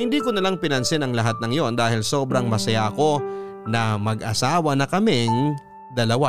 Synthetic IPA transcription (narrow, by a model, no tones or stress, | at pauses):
hɪnd̪iːkonɐlaŋpɪnɐnsɪnɐŋlɐɦat̪̚nɐŋjo̞nd̪aːhɪlso̞ːbɾɐŋmɐsɐjaɐko̞nɐmɐɡʔɐ̰saːwɐnɐkɐmɪŋ | d̪ɐlɐwa